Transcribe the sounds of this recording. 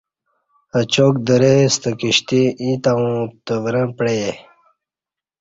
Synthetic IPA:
ɐt͡ɕoːk̚d̪əɾest̪əkiɕt̪ĩʔĩt̪aũt̪əvɾə̃pɽeje

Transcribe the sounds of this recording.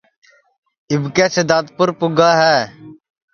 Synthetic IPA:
ɪbkeːsed̪aːt̪̚pʊɾpʊɡaːɦɛː

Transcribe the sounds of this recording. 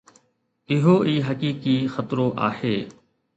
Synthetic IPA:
ɪɦoːʔiːɦəkiːkiːxət̪ɾoːʔa̰ːheː

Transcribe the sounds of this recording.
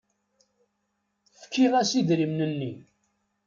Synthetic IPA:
fkːiʁæsiðɾimnənːi

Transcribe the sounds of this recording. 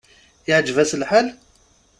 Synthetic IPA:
jəʕd͡ʒvæsəlħal

